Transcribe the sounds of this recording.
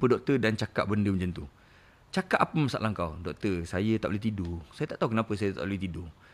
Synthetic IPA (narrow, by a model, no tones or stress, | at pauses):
pədɔk̚t̪ərdant͡ʃaka̰ʔ̚bəndəməɲd͡ʒant̪u | t͡ʃakaʔapəməsa̰ʔlaŋkawdɔk̚t̪ərsajət̪a̰ʔbluit̪idosajat̪aʔt̪aɦukənapəsajət̪a̰ʔlit̪ido